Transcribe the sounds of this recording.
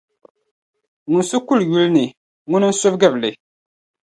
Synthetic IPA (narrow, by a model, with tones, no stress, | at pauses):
ŋu˨nsu˦ku˦lju˦lnɨ˨ | ŋʊ˦nɨ˦n̩˦sʊ˦fɡɨ˦blɨ˨